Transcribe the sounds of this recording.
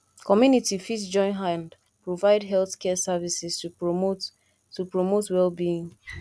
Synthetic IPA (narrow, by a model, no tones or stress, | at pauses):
kɔmjunitifitd͡ʒɔ̃ɪ̃nɦãnd | pɹovaɪdɦɛlθkɛsavisɛstu | tupɹomotwɛlbiĩŋ